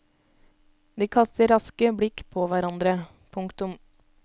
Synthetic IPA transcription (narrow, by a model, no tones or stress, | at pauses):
d̪iːkʰɑst̪əɾɑskəbɽɪkpʰoːʋæɾɑnd̪ɾə | pʰʊŋkt̪ʊm